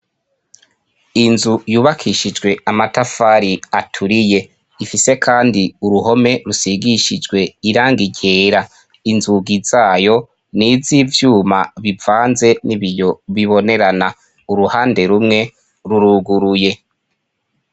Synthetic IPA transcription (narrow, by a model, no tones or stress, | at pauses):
inzujuːβakʰiʃid͡ʒɡwe̞amatafaːɾiatʰuɾije̞ | ifise̞kʰaːndiuɾuho̞me̞ɾusiɡiʃid͡ʒɡwe̞iɾaːŋɡiɟeːɾa | inzuɡiz̥aːjo̞ | nivivjuːmaβivaːnze̞niβijo̞βiβo̞ne̞ɾana | uɾuhaːnde̞ɾumŋe̞ | ɾuɾuɡuɾuje̞